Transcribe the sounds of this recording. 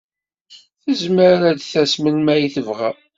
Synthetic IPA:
θəzməɾɾæd̪θæsmənmæjiθəvʁæ

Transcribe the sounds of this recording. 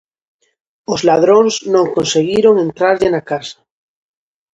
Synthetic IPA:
ozlað̞ɾonznõŋkonseɣiɾoŋẽ̞nt̪ɾaɾʎenakasḁ

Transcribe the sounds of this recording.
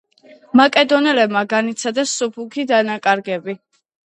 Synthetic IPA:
makʼɛd̪ɔnɛlɛbmaɡanit̪sʰad̪ɛsːupʰukʰid̪anakʼaɾɡɛbi

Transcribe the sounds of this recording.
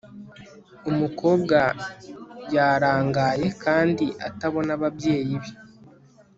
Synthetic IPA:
umuko̞ːbɡa | jaːɾaːŋɡaːje̞kʰaːndiʔa̰taβo̞naβabje̞ːjiβi

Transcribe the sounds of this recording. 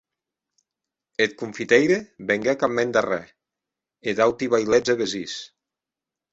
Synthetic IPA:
et̪̚kuɱfit̪ejɾebeŋɡɛkamːend̪arɛ | ed̪awt̪iβajlɛd͡zeβezis

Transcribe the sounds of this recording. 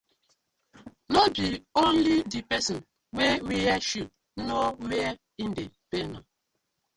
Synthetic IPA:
nobiõnlidipɛsɔ̃n | wewiaʃud̚ | nowea | indepena

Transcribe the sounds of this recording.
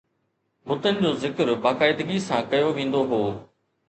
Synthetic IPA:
mʊt̪ənɪ̆d͡ʑoːzɪkəɾbaːkaːɪd̪əɡisãkɐjoʋẽːn̆d̪oɦoː

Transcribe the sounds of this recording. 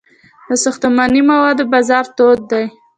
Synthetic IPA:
d̪əsʊxt̪amɑnimawɑd̪obɑzɑɾt̪od̪̚ːaj

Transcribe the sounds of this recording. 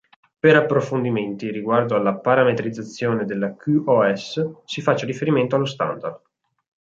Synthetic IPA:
peɾapːɾofond̪iment̪iriɡward̪oalːapaɾamet̪ɾid̪zːat̪sːjoːned̪elːakuɔɛssifat͡ʃːeɾifeɾiment̪oalːost̪a̰nd̪ard̪

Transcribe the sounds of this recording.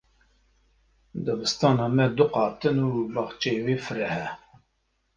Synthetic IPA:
d̪əbɨst̪ɑːnɑːmɛd̪ʊqɑːt̪ɨnuːbɑχt͡ʃeweːfɨɾɛhɛ

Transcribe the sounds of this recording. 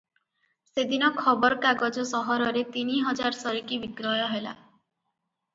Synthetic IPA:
sed̪inɔkʰɔbɔɾɔkaɡɔd͡ʒɔsɔɦɔɾɔɾet̪iniɦɔd͡ʒaɾsɔɾikibiɡɾɔjɔɦela̰

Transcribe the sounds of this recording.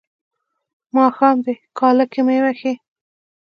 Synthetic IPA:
mɑxɑmd̪ekɑːlakemewaxe

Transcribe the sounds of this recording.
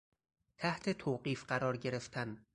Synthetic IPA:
t̪ʰæht̪ʰe̞t̪ʰoːɢiːfɢæɾɒːɾɟe̞ɾe̞ft̪ʰæn

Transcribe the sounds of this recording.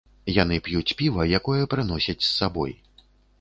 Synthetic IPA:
janɨpjut͡sʲpʲivɐjakɔjɐpɾɨnɔsʲɐt͡sʲsːabɔ̰j

